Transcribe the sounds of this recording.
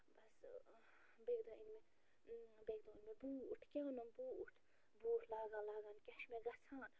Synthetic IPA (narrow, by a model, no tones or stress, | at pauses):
bɐs | beːɡd̪õinme | beːɡd̪õːinmẽbuːʈʰkʲenɐnbuːʈʰ | buːʈʰlaːɡãːlaːɡaːnkɐʃmeɡɐsʰaːn